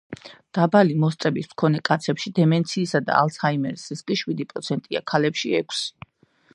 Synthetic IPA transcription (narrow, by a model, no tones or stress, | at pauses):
d̪̥abalimɔst̪sʼɛbismkʰɔnɛkʼat̪sʰɛpʃid̪ɛmɛnt̪sʰiːsad̪a̰a̰lˠshaimɛɾsiskʼiʃwid̪ipʼɾɔt̪sʰɛnt̪ʼia̰kʰalɛpʃiɛkʰsi̥